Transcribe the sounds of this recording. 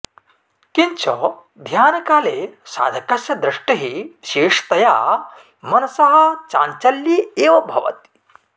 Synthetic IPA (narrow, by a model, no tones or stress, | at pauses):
kiɲt͡ʃʰɔ | d̪ʱjaːnɐkaːleːsa̰ːd̪ʱɐkɐsjɐd̪ɾiʂʈɐɦiʋiʃeːʂt̪ɐja̰ː | mɐnɐsɐɦɐ̆t͡ʃaːɲt͡ʃɐljieːʋɐbʱɐ̰ʋɐ̰t̪i̥